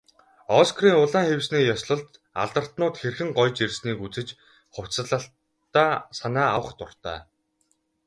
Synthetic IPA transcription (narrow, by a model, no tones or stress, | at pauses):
ɔskʰriːŋʊɮaːŋxewsniːjɔsɮɞ̆ɮt̪ | a̰ɮt̪ə̆r̥t̪nʊːt̪xerxɘ̆ŋɢɔjt͡ɕersniːkut͡sɘ̆t͡ɕ | χʊw̥t͡sə̆ɮə̆ɬ | aːsanaːawə̆χt̪ʊr̥t̪æ̰ː